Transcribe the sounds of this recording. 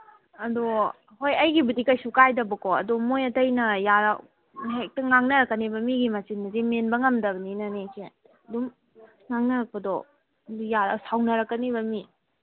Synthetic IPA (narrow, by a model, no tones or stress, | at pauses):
ɐdo | hojɐjɡibudikɐjsukajdɐbɐkoɐ̰domojɐtɐjnɐjaɾa | ɦek̚tɐŋaŋnɐɾɐkːɐnibɐmiɡimasinmɐzemenbɐŋɐmdɐbɐninɐnekʰe | ɐdum | ŋaŋnɐɾɐk̚pɐdɔ | dujaɾɐ̰sawnɐɾɐkːɐniβɐmi